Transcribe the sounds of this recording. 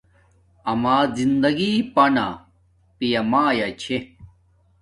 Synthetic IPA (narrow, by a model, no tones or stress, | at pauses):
ɐmaːzind̪ɐɡipɐna̰ | pijɐmaːjɐt͡ɕʰe